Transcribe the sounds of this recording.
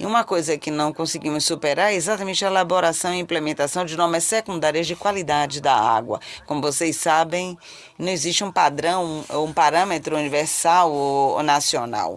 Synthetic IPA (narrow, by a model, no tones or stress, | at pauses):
ɪ̰ũmɐkojzɐkɪnɐ̃w̃kõsɪɡĩmʊsːupeɾaɾɛezat̪ɐmẽnt͡ʃɪɐelaboɾasɐ̃w̃iĩplemẽnt̪asɐ̃w̃d͡ʒɪnɔɾmɐsːekũnd̪aɾiɐzd͡ʒɪkwalid̪ad͡ʒɪd̪ɐa̰ɡwɐ̰kõmʊvosejsabẽj̃ | nɐ̃w̃iziʃt͡ʃɪũpad̪ɾɐ̃w̃oũpaɾɐ̃met̪ɾʊuniveɾsawonasiona̰w